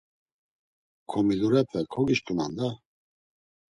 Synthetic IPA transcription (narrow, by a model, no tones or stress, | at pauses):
kʰɔmiluɾɛt̪vɛkʰɔɡiʃkʰʼuna̰nd̪a